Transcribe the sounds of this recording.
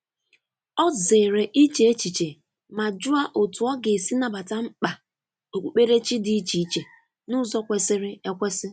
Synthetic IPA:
ɔ˦ze˨ɾe˨ʔi˦t͡ʃe˨e˦t͡ʃi˨t͡ʃe˨ | ma˨d͡ʒʊ˦a˨ʔo˨tu˨˦ɔ˦ɡe˨si˦na˨ba˨ta˦ŋ͡m̩˦k͡pa˨ | o˨k͡pʷu˨k͡pe˦ɾe˦t͡ʃi˦di˨i˦t͡ʃi˨i˦˨t͡ʃe˨ | nʊ˦zɔ˦kʷe˨sɪ˦ɾɪ˦e˦kʷe˦sɪ˦

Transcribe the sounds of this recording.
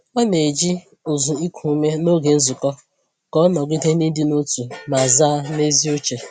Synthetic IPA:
ɔ˦ne˨d͡ʒi˦˨ | zʊ˨i˦kʷʰu˨˦me˦no˦ɡe˨n̩˦zʊ˨kɔ˦ | kɔ˦ɔ˦nɔ˨ɡi˦de˦ni˦dɪ˦no˦tu˨ma˨za˦ne˦zi˦o˦t͡ʃe˨

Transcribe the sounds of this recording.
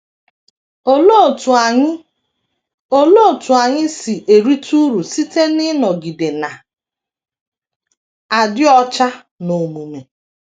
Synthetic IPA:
o˦lo˦˨t | o˦lo˦˨tu˨a˨ɲɪ˦si˨ʔe˨ɾi˦tʰu˦ɾu˨si˦te˦nɪ˦nɔ˨ɡi˨de˨na˨ | a˨dɪ˦ɔ˦t͡ʃa˦ | no˨mu˨me˨

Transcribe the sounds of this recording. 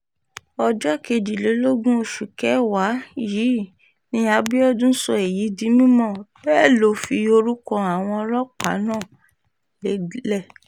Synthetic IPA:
ɔ˧d͡ʒɔ˦ke˧d͡ʒi˨le˨˦lo˦ɡũ˦o˧ʃu˨kɛ˨˦wa˨˦jiː˨˦ | nĩ˧˦a˧bi˦ɔ˦dũ˦sɔ˧e˨ji˨˦di˨˦mĩ˦mɔ̃˦˨bɛ˦˨lo˨fi˧o˧ɾu˦kɔ̃˧a˨w̃ɔ̃˧ɔ˧ɾɔ˦k͡pa̰˨˦nãː˦˨ | le˨˦dlɛ˦˨

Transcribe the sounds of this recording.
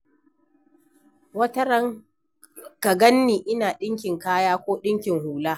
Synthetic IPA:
wɐ˦tɐ˦ɾɐ˦ŋ | kɐ˨ɡɐ˦nːiː˨ʔɪ˦naː˨ɗɪ˦ŋkʲɪ˨ŋkaː˦jaː˦kʷoː˦ɗɪ˦ŋkʲɪ˨ŋhuː˨laː˦

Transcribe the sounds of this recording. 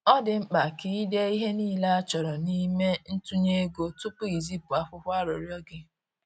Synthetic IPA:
ɔ˦dɪ˨ŋ͡m̩˦k͡pa˨ki˦de˦i˦ɦe˦niː˦˨la˦a˦t͡ʃɔ˨ɾɔ˨ni˦me˦n̩˦tu˦ɲe˦ɡo˦tʊ˦pʊ˦i˨zi˦pʊ˨a˦fʊ˦hʷa˦ɾɔ˨ɾjɔ˦ɡɪ˦

